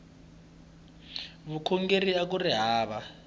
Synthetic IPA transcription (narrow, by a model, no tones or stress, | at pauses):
βukʰɔŋɡeriak̬uriɦaːβa